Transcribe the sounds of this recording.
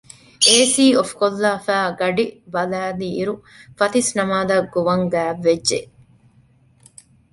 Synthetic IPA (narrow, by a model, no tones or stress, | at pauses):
eːsiːofkolːaːfæːɡɐɖibɐlæːliːɾu | fɐt̪isnɐmaːd̪ɐɡoʋɐŋɡæːʋːedʒeʔ